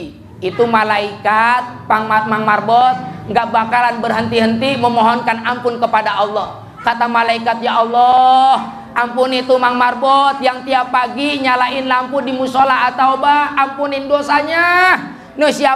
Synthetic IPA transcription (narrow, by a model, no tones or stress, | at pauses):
it̪umalaikat̪̚paŋmat̪̚maŋmarbɔt̪̚ŋɡaʔbakalanbərɦənt̪iɦənt̪iməmɔɦɔnkanampʊnkəpadaɔlːɔh | kat̪amalaikat̪̚jaɔlːɔh | ʔampʊnit̪umaŋmarbɔt̪̚jaŋt̪iapːaɡiɲalaɪnlampʊdimusolaɦat̪aubahampunɪndosaɲa | nəhsia